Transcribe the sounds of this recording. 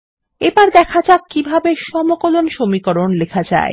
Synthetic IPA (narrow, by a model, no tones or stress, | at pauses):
ebaɾd̪ɛkʰad͡ʑakːibʱabeʃɔmokolonʃomikoɾonlekʰad͡ʑa̰e